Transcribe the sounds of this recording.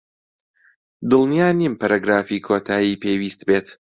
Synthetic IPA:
d̪ɨlˠnijaːnimpɐɾaɡɾaːfikʰoːt̪ʰaːjipewiːst̪beːt̪

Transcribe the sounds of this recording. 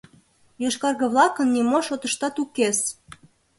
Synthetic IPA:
joʃkɑrɣə̆βlɑkə̆nːʲimoʃot̪ə̆ʃt̪ɑt̪ukes

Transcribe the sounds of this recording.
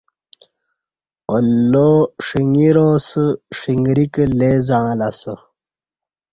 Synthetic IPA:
olːoʂiŋiɾosəʂiŋɡɾikleːzaãlasə

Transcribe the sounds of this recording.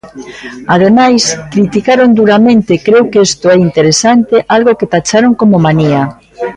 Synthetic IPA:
að̞emajskɾit̪ikaɾond̪uɾamẽnt̪ekɾewkeest̪oɛint̪eɾesant̪eʔalɣoket̪at͡ʃaɾoŋkomomania

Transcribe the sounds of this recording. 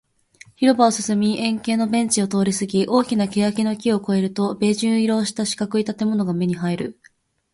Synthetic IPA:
çiɾo̞baosɨsɨmʲiʔẽ̞ŋke̞ːno̞bẽ̞ɲ̟t͡ɕio̞t̪o̞ːɾʲisɨɡʲiʔo̞ːkʲinake̞jakʲino̞kʲio̞ko̞e̞ɾɯ̟t̪o̞be̞ːʑɨ̃ɰ̃iɾo̞ːɕi̥t̪aɕi̥kakɯit̪at̪e̞mo̞no̞ɡame̞ɲ̟iɦaiɾɯ̟̰

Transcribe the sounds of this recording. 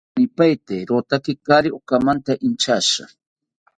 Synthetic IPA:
nɪpajt̪eɾot̪akɪkaɾɪokamant̪aʔɪnt͡ʃaʃa

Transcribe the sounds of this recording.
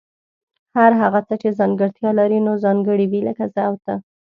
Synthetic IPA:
haɾɦaɣat͡sət͡ʃezɑŋɡəɽt̪jɑlaɾinozɑŋɡəɽiwiləkazaawt̪a

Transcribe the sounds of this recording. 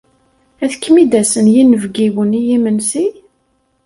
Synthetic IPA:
æðəkːmid̪æsənjinəvɡiwənijimənsi

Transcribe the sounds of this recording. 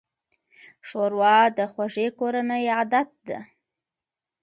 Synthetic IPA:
ʂoɾwɑd̪əxwaʒekoɾanəjad̪at̪̚d̪a̰

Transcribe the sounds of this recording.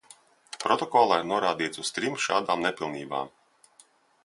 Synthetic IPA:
pɾɔt̪ɔkɔlˠaiɾnuɔɾaːd̪iːt̪sust̪ɾimʃaːd̪aːmnepʲilˠniːba̰ːm

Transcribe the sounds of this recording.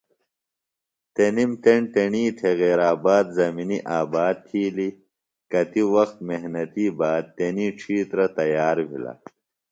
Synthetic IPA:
t̪enimt̪eɳt̪eɳiːt̪ʰeɣeːɾaːbaːd̪zɐminiʔaːbaːd̪̚t̪ʰiːli | kɐt̪iwɐxt̪̚meɦnɐt̪iːbaːd̪̚t̪eniːʈ͡ʂʰiːt̪ɾɐt̪ɐjaːɾbʱḭlɐ̰

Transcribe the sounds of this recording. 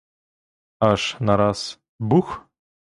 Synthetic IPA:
aʂnaɾas | bux

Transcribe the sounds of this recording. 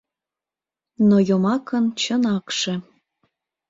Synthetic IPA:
nojomɑkənt͡ɕənɑkʃĕ

